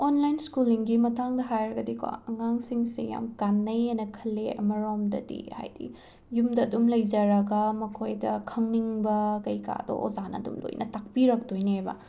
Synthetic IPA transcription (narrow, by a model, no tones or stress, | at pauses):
onlajnskuliŋɡimɐtaŋdɐɦajɾɐɡɐdikʰoa̰ɐŋaŋsiŋsḛja̰mkanːɐjanɐkʰɐlːeʔɐ̰mɐɾomdɐ̰dḭha̰jdḭ | jumdɐːdumlɐjzɐɾɐɡɐmɐkʰojdɐkʰɐŋniŋbɐkɐjka̰do̰ʔo̰zanɐ̰ːdṵmlo̰jnʔɐ̰tak̚piɾɐk̚tojnebɐ̰